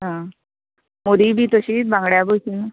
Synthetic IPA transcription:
ɦã | moɾiːbʱiːt̪əɕit̚bãŋɡɽjabosina

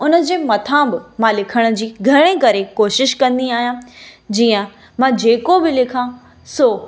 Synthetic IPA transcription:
ʊnə̆d͡ʑeːmɐt̪ʰãːbɪmãlɪkʰəɽ̃ʊ̆d͡ʑiːɡʱɐɾɽ̃ekɐɾekoːʃɪʃkɐ̃nd̪iaːɦijãd͡ʑiːə̃ | mãːd͡ʑeːkobɪlɪkʰã | soː

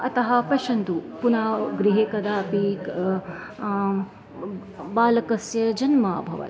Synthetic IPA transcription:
ɐt̪ɐɦɐpɐʃɐnt̪upunaːɡɾiɦeːkɐd̪aːpi | baːlɐkɐsjɐd͡ʒɐnmaːbʱɐ̰ʋɐ̰t̪

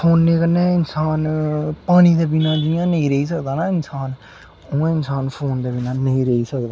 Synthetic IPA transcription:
pʰoːnːeːkənːeːɪnsaːnpaːɽ̃iːd̪eːbinãːd͡ʒɪjãːnəĩːɾəiːsəkd̪aːnaːɪnsaːn | õːẽːɪnsaːnpʰoːnd̪eːbiːnãːnəĩːɾəiːsəkd̪aː

